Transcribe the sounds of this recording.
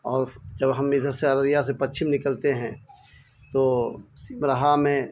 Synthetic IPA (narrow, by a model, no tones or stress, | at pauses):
ɔːɾd͡ʒəbɦɐmɪd̪ʱəɾseəɾəɾjas̬epɐtːʃʰɪmnɪkəlt̪eɦɛ̃ː | t̪osiːmɾəɦamẽ